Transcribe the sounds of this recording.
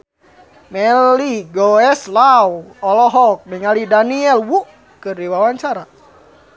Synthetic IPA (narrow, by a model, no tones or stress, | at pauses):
mɛliɡɔɛslawɔlɔɦɔk̚miŋalidaniɛlwuʔ | kɨrdiwawaɲt͡ʃaɾa